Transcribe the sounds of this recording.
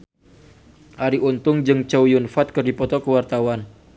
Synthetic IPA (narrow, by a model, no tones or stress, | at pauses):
ʔaɾiʔunt̪ʊŋd͡ʒɨŋt͡ʃawjunfat̪̚kərdipɔt̪ɔkəwart̪awan